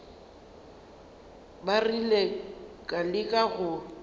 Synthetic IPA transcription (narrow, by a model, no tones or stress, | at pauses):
barilekʼalɪkʼaɣʊ